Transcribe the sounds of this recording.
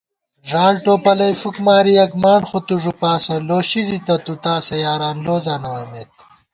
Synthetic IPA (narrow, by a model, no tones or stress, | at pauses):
ʐaːlʈoːpɐlɐjfukmaːɾiɐkmaːɳxot̪uʐupaːsɐ̃loːɕid̪it̪ɐt̪ut̪aːsɐjaːɾaːnloːzaːnɐwɐmeːt̪̚